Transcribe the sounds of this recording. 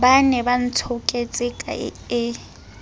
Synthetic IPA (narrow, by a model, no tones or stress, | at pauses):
banɛban̩tʰʊkʼet͡sʼɪkʼa̰ɪ̰ɪ